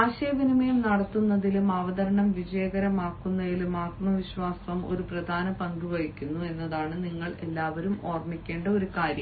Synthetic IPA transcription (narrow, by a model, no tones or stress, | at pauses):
aːɕɐjɐʋinimɐjumnɐɽɐt̪ːunːɐðilumɐʋɐd̪ɐɾɐɳɐmʋid͡ʑɐjɐɡɐɾɐmaːkːunːɐðilumaːt̪̚mɐʋiɕʋaːsɐmo̞̰ɾuprɐd̪ʱaːnɐpɐŋɡuʋɐɻikʲːunːue̞nːɐðaːɳɨniŋːɐɭe̞lːaːʋɐɾumo̞ːrmikʲːe̞ːɳɖɐo̞ɾukaːɾjɐm